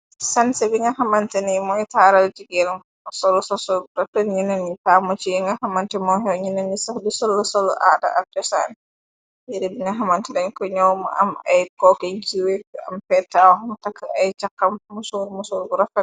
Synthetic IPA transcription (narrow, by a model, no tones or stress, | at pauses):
sansɛbiŋɡahamantɛnimɔitaɾaldiɡɛl | sɔlɔsɔsɔlbuɾafɔɲinanːitamɔt͡ʃiɛŋɡahamantɛmɔɦɛwɲinanːisafdusɔlːɔsɔlːɔ̰ʔada̰ʔad͡ʒɔsa̰n | jɛɾɛbiŋɡaɦamantɛdaɲkɔɲɔwmɔ̰ʔa̰ma̰jkɔkɛɲt͡ʃiwɛa̰mpɛtːawɔhamtakːajt͡ʃakːamːusuɾmusuɾbɾafɛ